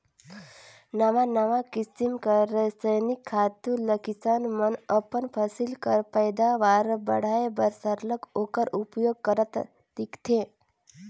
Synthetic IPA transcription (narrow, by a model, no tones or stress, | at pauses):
nɐʋanəʋakisimkəɾəsəjnikʰːaːt̪ũləkisanmənəpənpʰəsilkəɾpəjd̪aʋaːɾbə̰ɽ̤aːebəɾsəɾləkoːkəɾupjoːɡ̚kəɾət̪ | t̪ikt̪ʰẽ